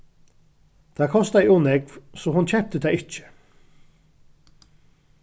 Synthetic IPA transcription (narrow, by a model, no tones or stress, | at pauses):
t̪ʰaːkʰɔst̪aʔunɛkv̥sɔhʊnt͡ɕʰɛp̚t̪ət̪ʰaːɪt͡ʃɪ̥